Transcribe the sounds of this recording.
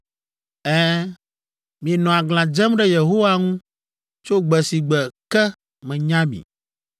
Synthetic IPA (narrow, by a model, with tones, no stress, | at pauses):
ɛ˦ | mĩ˨ɛ˨nɔ̃˨a˨ɡl̃ã˨d͡ʒɛ˦mɖɛ˦je˨ɦo˦wa˦ŋũ˦ | t͡ʃo˦ɡ͡bɛ˨si˨ɡ͡bɛ˨kɛ˦ | mɛ̃˨ɲã˦bḭ˨